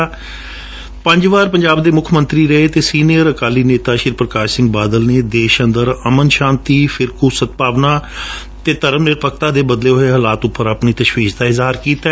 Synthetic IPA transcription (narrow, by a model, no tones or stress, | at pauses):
pə̃ɲd͡ʒʋaːɾpəɲd͡ʒaːbd̪eːmʊkʰmənt̪ɾiːɾəeːt̪eːsiːnijəɾəkaːliːneːt̪aːʃɪɾpɾəkaːʃsɪ̃ŋɡ̚baːd̪əlneːd̪eːʃənd̪əɾəmənʃãːnt̪iːfʰɪɾkuːsət̪̚paːʋnaː | t̪eːt̪əɾəmnɪɾpək̚ʰt̪aːd̪eːbəd̪leːɦoːɦeːɦəlaːt̪ʊpːəɾəpniːt̪əʃʋiːʃd̪aːɪzɦaːɾkiːt̪a